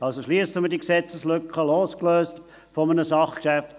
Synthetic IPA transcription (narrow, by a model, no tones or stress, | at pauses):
ɑlsoʃliəsəmədiksɛt͡səslʏkχəloːskløːst | fɔmənəsɑχkʃæft